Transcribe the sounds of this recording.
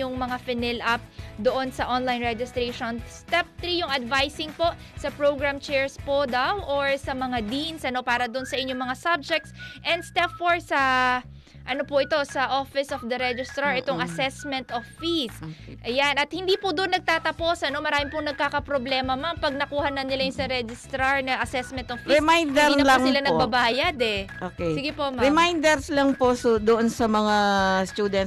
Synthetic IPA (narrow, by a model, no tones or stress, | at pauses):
ʊŋmɐŋafɪnɛlap̚d̪oʔo̞nsɐʔonlajnɹɛd͡ʒɪst̪ɾeʃonst̪ɛp̚t̪ɾijʊŋɐd̪vajsɪŋpo̞ʔ | sɐpɹowɡɹamt͡ʃɛɹspod̪awʔoɹsɐmɐŋad̪insʔɐno̞paːɾɐd̪ʊnsɐʔɪɲːoŋmɐŋasab̚d͡ʒɛk̚t̪sʔɛnd̪st̪ɛpfoɹsɐ | ʔɐnopʊʔɪt̪o̞sɐʔofɪsofd̪ɐɾɛd͡ʒɪst̪ɾɐɹʔɛt̪oŋʔɐsɛsmɛnt̪offisʔɐjanʔɐt̪̚hɪnd̪iːpʊd̪oʔonːɐɡ̚t̪aːt̪ɐpo̞sʔɐno̞mɐɾaːmɪpʊŋnɐɡ̚kaːkɐpɾoblɛːmɐmampɐɡ̚nɐkuːhɐnɐnɪlajʊŋsɐɾɛd͡ʒɪst̪ɾɐɹnɐʔɐsɛsmɛnt̪ʔoffiɛmajnd̪ɛɾinɐlŋɪlanɐɡ̚babaːjɐd̪ɛʔoːkɛsɪɡɪpoʔmɾɪmajnd̪ɛɾslɐŋposd̪oʔonsɐmɐŋast̪uːd̪ɛn